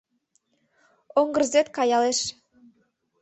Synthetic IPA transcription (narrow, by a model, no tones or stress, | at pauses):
oŋɡə̆rzet̪kɑjɑleʃ